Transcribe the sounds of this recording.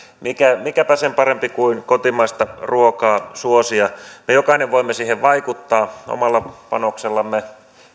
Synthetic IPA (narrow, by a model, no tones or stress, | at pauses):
mikæmikæpæsempɑɾempikuinkot̪imɑist̪ɑruokɑːsuosiɑmejokɑineʋʋoimːesiːheʋʋɑikut̪ːɑːo̰mɑlːɑpɑ̰nokselːɑmːe